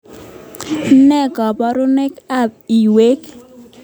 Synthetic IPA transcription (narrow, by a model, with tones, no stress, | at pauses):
nɛ˦ɡɔ˨bɔ˨˦ɾʊ˦ne˦ka˦˨p̚i˨we˦k